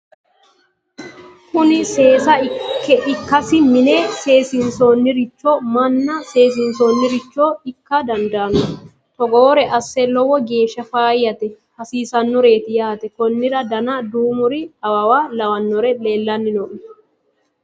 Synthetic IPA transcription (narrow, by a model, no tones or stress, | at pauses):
kʊnɪse̞ːsɐɪkːɛʔɪkːɐsɪmɪneːse̞ːsɪnso̞ːnːɪɾɪt͡ʃːomɐnːɐse̞ːs̬ɪnsoːnːɪɾɪt͡ʃːoːɪkːɐd̪ɐnd̪ɐːnɔ | t̪ɔɡoːɾɛʔɐsːɛlɔwɔɡe̞ːʃːɐfaːjːɐt̪ɛ | hɐsiːsɐnːɔɾe̞ːt̪ɪjaːt̪ɛkɔnːɪɾɐd̪ɐnɐd̪uːmʊɾɪɐwɐwaːlɐwɐnːɔɾɛle̞ːlːɐnːɪnɔʔɪ